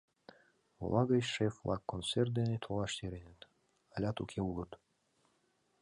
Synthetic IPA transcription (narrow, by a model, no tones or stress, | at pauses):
o̰lˠʔɑɡəjʃeflˠɑ̰kːonsert̪d̪enet̪ʰolˠɑʃt̪eɾenet̪ | alʲat̪ukʲʰeulˠət̪